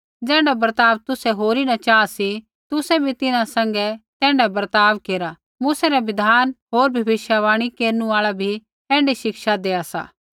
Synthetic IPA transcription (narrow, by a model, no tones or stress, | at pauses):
d͡zɛ̃ːɳɖabɐɾt̪aːʋt̪ʊsɛɦoːɾinɐt͡ʃaːasi | t̪ʊsɛbʱit̪ɪnãsɐ̃ŋɡɛt̪ɛ̃ːɳɖabɐɾt̪aːʋkeːɾa | muːsɛɾɛʋɪd̪ʱaːnɦoːɾbʱɐbɪʃjaʋaːɽ̃ikeːɾnũaːɭabʱi | ɛ̃ːɳɖiʃɪkʃad̪eːasa̰ː